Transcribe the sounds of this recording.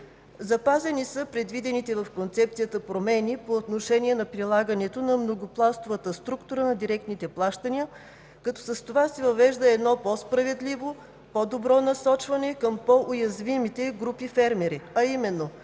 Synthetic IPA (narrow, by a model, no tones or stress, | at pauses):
zɐpazɛnisəpɾɛd̪vid̪ɛnit̪ɛvəfkont̪sɛp̚t̪sijət̪əpɾomɛnipoːt̪noʃɛnʲiɛnɐpɾilˠaɡənɛt̪onɐmnoɡoplˠast̪ovət̪əst̪ɾukt̪ʊɾənɐd̪iɾɛk̚t̪nit̪ɛplˠaʃt̪əniə | kɐt̪ɔsəst̪ovasɛvɐvɛʒd̪əɛd̪nɔpospɾɐvɛd̪livo | pɔd̪obɾɔnɐsɔt͡ʃvɐnɛkəmpoʔojɐzvimit̪ɛɡɾupifɛɾmɛɾiɐimɛnːo